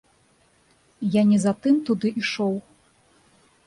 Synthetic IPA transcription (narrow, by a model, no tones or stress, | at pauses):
janʲɛzat̪ɨmt̪ud̪ɨʔiʂɔw